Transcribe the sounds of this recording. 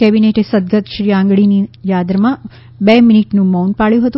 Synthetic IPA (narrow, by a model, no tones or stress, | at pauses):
kɛbineʈesəd̪̚ɡʱət̪ʃɾiãːŋɡɭinijad̪ɾəmã | beminiʈnũmawnpaɭjũɦət̪ũ